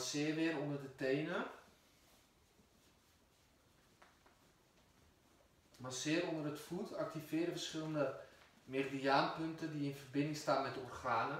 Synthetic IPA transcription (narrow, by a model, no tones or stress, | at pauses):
sɪːərʋɪːɾondərdətejnə | masɪəɾondərətfutʰak̚tifɪːrəfərsχɪlˠəndə | merdiaːnpøntədiɪnfərbɪndɪŋstaːnmɛtorχaːnə